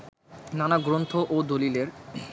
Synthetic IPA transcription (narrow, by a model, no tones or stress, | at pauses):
nanaɡɾont̪ʰoʔod̪olileɾ